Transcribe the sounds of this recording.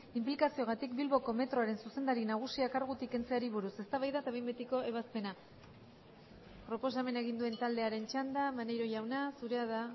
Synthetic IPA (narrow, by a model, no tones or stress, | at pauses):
implikasio̞ɣ̞at̪ik̚bilβo̞ko̞me̞t̪ɾoaɾe̞nsuse̞nd̪aɾinaɣ̞usiakaɾɣut̪ike̞nt͡se̞aɾiβuɾuse̞st̪aβajðat̪aβejmbet̪iko̞e̞β̞aspe̞na | pɾo̞po̞s̬ame̞naeɣ̞ind̪ue̞nt̪ald̪e̞aɾe̞nt͡ʃand̪amanejɾo̞ʝawnasuɾe̞aða